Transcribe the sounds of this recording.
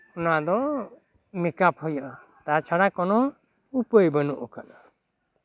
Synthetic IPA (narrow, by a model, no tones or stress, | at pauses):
ɔnad̪ɔ | mikapɔjaʔa | t̪at͡ʃʰaɽakɔnɔ | upəjbənuʔɔkana